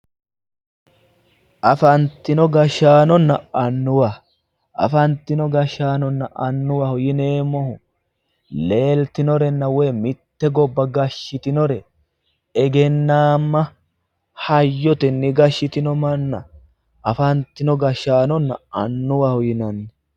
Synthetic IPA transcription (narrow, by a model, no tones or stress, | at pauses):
ʔɐfɐnt̪ːɪnɔɡɐʃaːnɔnːɐʔɐnːʊwa | ʔɐ̰fɐnt̪ːɪnɔɡɐʃaːnɔnːɐʔɐnːʊwahʊjɪne̞ːmɔhʊ | le̞ːlt̪ɪnɔɾɛnːɐwɛjmɪt̪ːɛɡɔbːɐɡɐʃːɪt̪ɪnɔɾɛ | ɛɡɛnːaːmːɐ | hɐjːɔt̪ɛnːɪɡɐʃːɪt̪ɪnɔmɐnːɐ̰ | ʔɐfɐnt̪ːɪnɔɡɐʃaːnɔnːɐ̰ɐ̰nːʊwahʊjɪnɐnːɛ